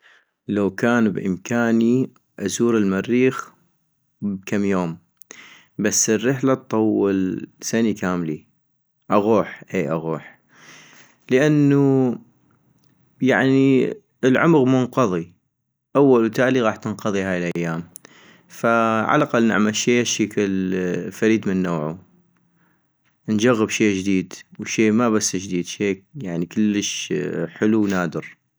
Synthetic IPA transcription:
lawkaːnbʔɪ̰mkʰaːni | ʔazuːɾəlmarːiːx | b̚kʰamːjoːm | basːərːɪħlat̪̚t̪ˤːɑwːɪlsanikaːmli | ʔaɣuːħʔeːʔaɣuːħ | ləʔanːu | jaʕni | əlʕʊmɣmʊnqɑðˤi | ʔawːalwt̪aːliɣɑːħt̪ɪnqɑðˤiɦaːjɪlʔajːaːm | faʕa̰laqalːnɪ̰ʕmalʃeːʃiːkɪlfaɾiːd̪mənːoːʕu | nd͡ʒaɣːəbʃeːd͡ʒd̪iːd̪wʃeːmaβasːd͡ʒd̪iːd̪ʃeːjaʕnikɪlːəʃħɪluwnaːd̪ɪɾ

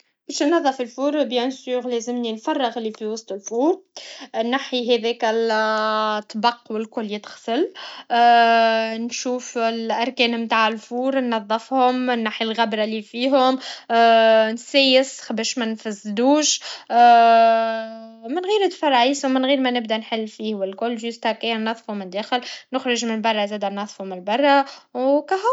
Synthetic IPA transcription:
bɛːʃnːɑðˤːɑfilfuːɾbjɛnsyːɾlɛzɪmninfɑrˤːəɣlifiwɑsˤt̪ˤəlfuːɾnːaħiɦɛðɛːkæl | t̪ˤːbɑqːwɪlkʊlːjɪt̪ɣsəlː | nʃuːfɪlʔɑɾˤkɛːnmt̪aːʕɪlfuːɾnːɑðˤːɑfhʊmɪnːaħjalɣæbɾˤɑlifiːɦʊm | nsæːjɪsxbæːʃmænfazːd̪uːʃ | mɪnɣiːɾɪt̪fɑɾˤʕiːsmɪnɣiːɾmænɪbd̪ænħɪlːfiːhwɪlkʊlːʒʊst̪hækːæjːænːɑðˤfhʊmɪnd̪ːæːxɪlnʊxɾɪʒmɪnbɑrˤːɑzæːd̪ænːɑðˤfhʊmɪlbɑrˤːɑwkæɦʊ

